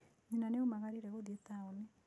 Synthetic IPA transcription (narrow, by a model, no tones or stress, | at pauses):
ɲinaneomaɣaɾiɾɛɣoðiet̪aone